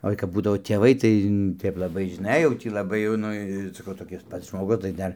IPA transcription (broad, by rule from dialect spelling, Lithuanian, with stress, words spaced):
ˈoːɪ kɐp ˈbuːdɐʋoː tʲeːˈʋɐɪ tɐɪ ˈtɐɪp lˠɐˈbɐɪ ʒʲɪˈnɐɪ jɛʊ ˈtʲiː lˠɐˈbɐɪ jɛʊ ˈnʊ sɐˈkɐʊ toːˈkʲɪs ˈpɐts ʒmoːˈɡʊs tɐɪ ˈdɐr